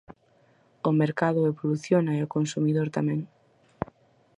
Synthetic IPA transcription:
ʊmeɾkaðʊeβoluθjonaeokonsumiðoɾt̪amɛ̃ŋ

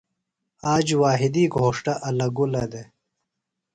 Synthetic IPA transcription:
aːd͡ʑwaːɦɪd̪iɡʱoːʂʈaʔɐlɐɡulɐd̪e

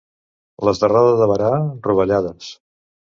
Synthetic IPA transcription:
ləzðəraðəzðəβəɾaruβəʎaðəs

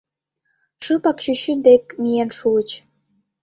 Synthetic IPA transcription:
ʃɯpɑkt͡ɕyɕynd̪ekmijenʃuət͡ɕ

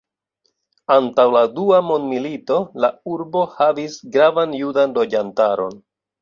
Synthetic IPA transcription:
antawladuamo̞ndmilito̞lauɾbo̞havisɡɾavanjudanlo̞d͡ʒantaɾo̞̰n

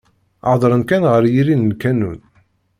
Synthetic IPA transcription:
ʕðˤɾˤənkænʁəɾjiɾinːkænun

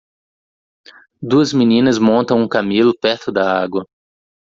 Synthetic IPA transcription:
d̪uɐzminĩnɐzmõnt̪ɐ̃w̃ũkamilʊpɛɾt̪ʊd̪ɐaɡwɐ

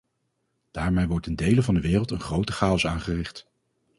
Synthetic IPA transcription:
d̥aːɹmejʋɔɹtɛndejləvɑndəʋɪːrəlˠtənχrowtəχaːɔsaːnχərɪχt

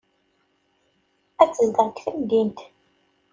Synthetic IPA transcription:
æt͡sːəzd̪əʁkθəmd̪int̪

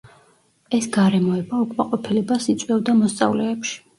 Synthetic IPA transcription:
ɛsɡaɾɛmɔɛbaukʼmaqʼɔpʰilɛbasit̪sʼwɛvd̪amɔst̪sʼa̰vlɛːpʃi̥

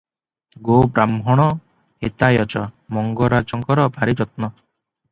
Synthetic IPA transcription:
ɡobɾamɦɔɽ̃ɔ | et̪ajɔt͡ʃɔmɔŋɡɔɾad͡ʒɔŋkɔɾɔbʱaɾid͡ʒɔt̪̚nɔ

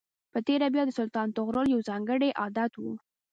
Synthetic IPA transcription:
pət̪eɾabjɑd̪əsʊlt̪ɑnt̪ʊɣɾəljawzɑŋɡəɽeʔɑd̪at̪wṵ

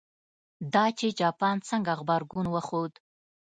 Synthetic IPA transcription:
d̪ɑt͡ʃed͡ʒɑpɑnt͡səŋɡaɣbaɾɡunwəxod̪

